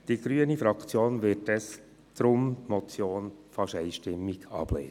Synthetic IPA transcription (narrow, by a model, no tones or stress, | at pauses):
d̥iːɡ̥ɾyənifɾɑkt͡sjoːnʋɪtɛs | d̪̥ɾʊmtmɔt͡sjoːnfɑʃɛɪʃtɪmːɪɡɑ̰b̥lḛːn